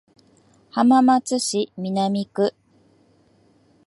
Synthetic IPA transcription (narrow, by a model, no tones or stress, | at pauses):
hamamat͡sɨɕimʲinamʲikɯ̟